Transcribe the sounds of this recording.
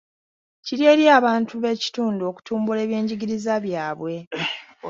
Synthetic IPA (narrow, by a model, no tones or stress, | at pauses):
ciɾie̞ːɾjaːβaːntuβe̞ci̥tuːnduo̞ku̥tuːmbule̞ːβje̞ːɲɟiɡiɾizaβjaːβwe̞